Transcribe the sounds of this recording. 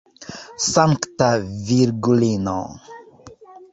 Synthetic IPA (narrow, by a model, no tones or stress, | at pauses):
samkt̪aviɾɡulinɔ̰̃